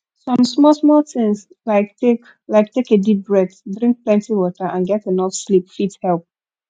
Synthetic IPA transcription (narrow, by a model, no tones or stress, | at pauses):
sɔ̃msmɔsmɔltɪ̃ŋs | laɪktek | laɪk̚tekedip̚ɹɛddɹĩŋk̚plɛ̃ntiwɔtəʔãnɡɛtenɔfslipfithɛlˠp̚